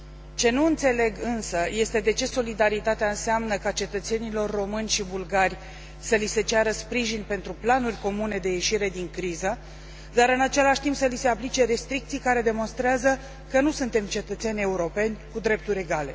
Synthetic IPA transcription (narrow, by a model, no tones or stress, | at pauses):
t͡ʃe̞nuɨnt̪se̞le̞ɡɨnsəje̞st̪e̞d̪e̞t͡ʃe̞so̞lid̪aɾit̪at̪eaɨnseamnəkat͡ʃe̞t̪ət̪se̞nilo̞rːo̞mɨnʲʃibulɡarʲ | səlise̞t͡ʃaɾəspɾiʒinʲpe̞nt̪ɾuplanurʲko̞mune̞d̪e̞je̞ʃiɾe̞d̪iŋkɾizə | d̪aɾɨnat͡ʃe̞laʃt̪impsəlise̞aplit͡ʃe̞ɾe̞st̪ɾikt̪sijkaɾe̞d̪e̞mo̞nst̪ɾeazə | kənusunt̪e̞mt͡ʃe̞t̪ət̪se̞nʲe̞uɾo̞pe̞nʲkud̪ɾe̞p̚t̪uɾʲe̞ɡale̞̰